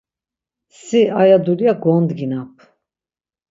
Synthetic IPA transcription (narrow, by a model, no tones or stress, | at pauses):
siajad̪uljaɡɔnd̪ɡinap̚ʰ